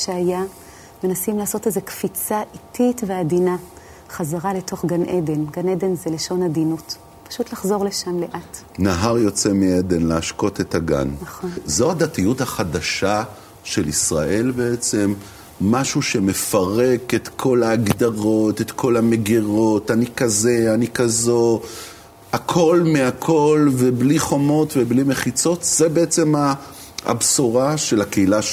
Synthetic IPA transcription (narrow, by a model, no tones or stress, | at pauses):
ʃeaja | me̞nasimlaːso̞tezekfit͡saʔititveadina | χazaʁale̞to̞χɡanʔede̞nɡaned̪e̞nzeleʃo̞nadinut | pḁʃutlaχzo̞ʁle̞ʃamleʔat | naɦaʁjo̞t͡se̞mied̪enleaʃko̞tet̪aɡa̰naχzoad̪atijuthaχadaʃa | ʃe̞lisʁaʔe̞lbeet͡se̞mː | aʃuʃe̞me̞faʁe̞ketkʰo̞laːɡd̪aʁo̞tet̪kʰo̞lame̞ɡiʁo̞tanikaze̞anikazo̞ | akʰo̞lmeakʰo̞lvebliχo̞mo̞tveblime̞χit͡so̞t̪zebeet͡se̞ma | a̰bsoʁaʃe̞lakeila